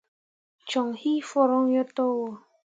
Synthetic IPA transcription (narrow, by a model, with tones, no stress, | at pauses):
t͡ʃɔ˨ŋhi˦fɔ˦ɾɔ˦ŋ˦jɔ˦tɔ˦wɔ˨